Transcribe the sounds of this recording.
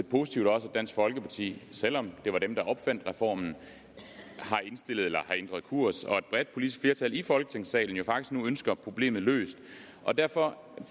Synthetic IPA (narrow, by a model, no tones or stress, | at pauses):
epʰo̝si̥t͡sʰiʊd̥ɒ̽səæd̥æn̰sɡ̥fɒ̽lɡ̥əpʰɑ̈t͡sʰḭːsel̰ɒ̽md̥e̝ʋɑ̈ɾ̥emd̥ɑ̈ʔɒ̽b̥fæn̰d̥ʁɛfɒ̰ːmn̩ | hɑ̈e̝nsd̥e̝l̰ð̞̩ˠelɐhɑ̈end̥ʁɐðˠkʰuɐ̰sɒ̽e̝d̥̚b̥ʁɛd̥̚pʰolid̥isɡ̥fle̝ɐt͡sʰælifɒ̽lɡ̥ət͡sʰe̝ŋsɛ̰ːln̩jo̝fɑ̈ɡ̥i̥sɡ̥nuønsɡ̥ɐpʰʁo̝b̥le̝̰ːmð̞̩ˠlø̰ːsd̥ | ʔɒ̽d̥æɐ̰fɒ̽